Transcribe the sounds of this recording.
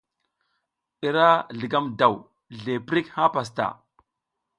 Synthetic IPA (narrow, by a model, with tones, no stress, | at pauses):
i˨ɾa˦ɮi˨ɡa˦mda˨w | ɮe˨pɾi˦kha˦pa˨s̬ta̰˨